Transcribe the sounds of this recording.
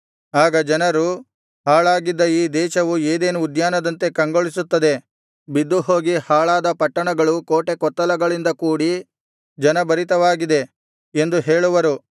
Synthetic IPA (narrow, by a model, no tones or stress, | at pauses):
aːɡɐd͡ʒɐnɐɾu | haːɭaːɡid̪ːɐiːd̪ɛːʃɐʋueːd̪eːnuːd̪jaːnɐd̪ɐnt̪e̞kɐŋɡoɭisut̪ːɐd̪e̞ | bid̪ːuɦo̞ːɡihaːɭaːd̪ɐpɐʈːɐɳɐɡɐɭukoːʈe̞kɔt̪ːɐlɐɡɐɭind̪ɐkuːɽi | d͡ʒɐnɐbɐɾit̪ɐʋaːɡid̪e̞ | end̪uɦe̞ːɭuʋɐɾu